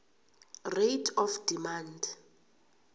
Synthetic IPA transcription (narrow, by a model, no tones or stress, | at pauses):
retʰɔfd̥imand